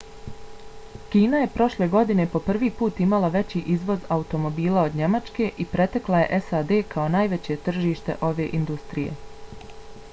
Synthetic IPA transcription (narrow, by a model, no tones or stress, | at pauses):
kiːnaje̞pɾo̞ʃle̞ːɡo̞d̪ine̞po̞pr̩ʋiːpuːt̪imalaʋe̞t͡ɕiːʔizʋo̞zaut̪o̞mo̞biːlˠao̞d̪ɲe̞mat͡ʃke̞ʔipɾe̞t̪e̞klˠaje̞̰ʔesad̪e̞ːkʰao̞naːjʋet͡ɕe̞t̪r̩ʒiːʃt̪e̞̰ʔo̞ʋe̞ʔind̪ust̪ɾije̞̰